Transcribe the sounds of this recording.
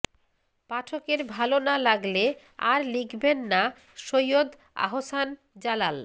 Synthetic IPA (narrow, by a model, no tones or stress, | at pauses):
paʈʰokeɾbʱalonalaɡle | aɾlikʰbenːa | ʃojod̪ | a̰ɦosan | d͡ʑalal